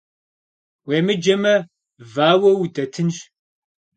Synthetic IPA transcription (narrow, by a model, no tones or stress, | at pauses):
weːmɨd͡ʒɐmɐ | vaːwɐwutʼɐtʰɨnɕ